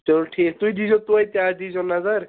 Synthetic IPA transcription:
t͡ʃɔʈʰikt̪ujd̪id͡ʒɔt̪uajt̪ad̪id͡ʒɔnazaɾ

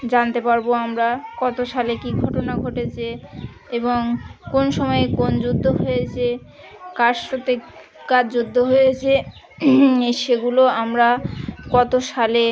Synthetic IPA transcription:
d͡ʑant̪epaɾboamɾakɔt̪oʃalekiɡʱɔʈonaɡʱoʈet͡ɕʰe | eboŋkonʃɔmɔekond͡ʑud̪ʱːoɦojet͡ɕʰe | kaɾʃɾot̪e | kad͡ʑud̪ʱːoɦojet͡ɕʰe | eʃeɡuloamɾakɔt̪oʃale

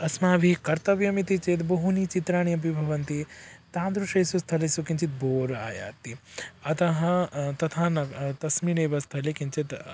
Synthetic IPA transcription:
ɐsmaːʋʱikɐɾt̪ɐʋjɐmit̪it͡ʃet̪̬bɐɦunit͡ʃit̪ɾaːɳijɐp̬ibʱɐʋɐnt̪it̪aːnd̪ɾuʂɐjsust̪ʰɐlesukint͡ʃit̪̚boːɾa̰ːja̰ːt̪ːiɐt̪ɐɦɐt̪ɐt̪ʰaːnɐt̪ɐsmineːʋɐst̪ʰɐlekint͡ʃit̪

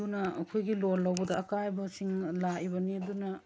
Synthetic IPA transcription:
unɐkʰujɡilolːɐwbɐdɐːkajbɐsiŋlaʔibɐnidunɐ

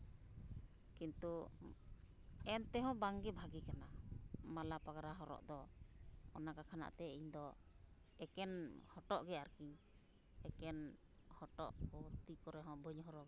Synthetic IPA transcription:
kint̪u | ɛnt̪ɛɦɔ̃baŋɡɛbʱaɡikanamalapaɡaɾaɦɔɾɔ̰ʔd̪ɔ | ɔnakakʰana̰ʔt̪ɛiɲd̪ɔ | ɛkɛnhɔʈɔʔɡɛaɾkiɲ | ɛkɛn | hɔʈɔ̰ʔkowt̪ikɔɾɛɦɔ̃bʱəɲɦɔɾɔɡɛ

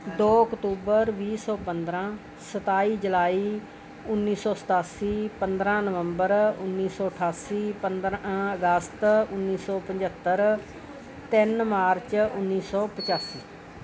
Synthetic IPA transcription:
d̪oːəkʈ̪uːbəɾʋiːsɔːpənd̪ɾãː | sət̪aːiːd͡ʒəlaːiː | ʊnːiːsɔːsə̥t̪aːsiːpənd̪ɾãːnəʋəmbəɾʊ̰nːiːsɔːəʈʰaːsiːpənd̪ɾəɡəst̪ʊnːiːsɔːpəɲd͡ʒət̪ːəɾ | t̪ɪnmaːɾt͡ʃʊnːiːsɔːpət͡ʃaːsiː

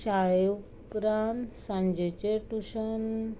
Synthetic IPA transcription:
ɕajew | kɾansãɲd͡ʑet͡ɕeʈuɕən

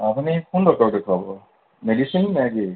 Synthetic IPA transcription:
apunipʰundɔkɔɹdɛkʰabɔ | medisinnɛɡi

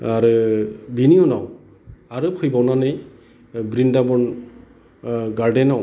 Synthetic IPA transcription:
aɾɯbinijɔnaw | aɾɯpʰɯjbawnanɯj | bɾindabɔn | ɡaɹdɛnaw

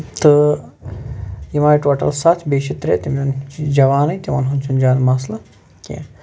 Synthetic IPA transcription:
t̪ɨ | jimaːjʈoːʈɐ̰lsat̪ʰbeːʃit̪ɾḛːt̪imond͡ʒɐʋaːnɐjt̪ʲiʋa̰ːnɦunt͡ʃʰund͡ʒaːnmaːslɐ | kʲḛ̃ː

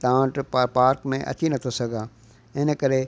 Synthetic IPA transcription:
t̪ãːʈpːɾpaːɾkmẽʔɐ̰t͡ɕinɐt̪ʰosɐɡʱãː | ɪnəkəɾe

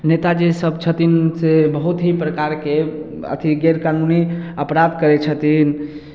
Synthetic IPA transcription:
net̪ad͡ʒesəbt͡ʃʰət̪insebəɦut̪ɦipɾəkaɾke | ə̰t̪ʰiɡeɾkanuniəpɾad̪kəɾɛt͡ʃʰət̪in

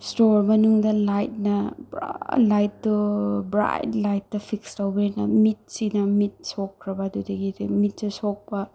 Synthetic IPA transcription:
stoɾmɐnuŋdɐlajt̚nɐbɾa̰lajtːubɾa̰jtlajt̚ːɐpʰikstawbenɐmit̚sinɐmit̚sokʰɾɐbɐːdudɐɡidemit̚tɐsok̚pɐ

